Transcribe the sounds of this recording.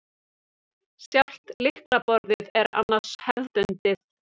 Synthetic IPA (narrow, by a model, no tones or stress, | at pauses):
sjawl̥t̪lɪhkɾapɔɾðɪðɛɾa̰nːḁshɛvððʏnt̪ɪθ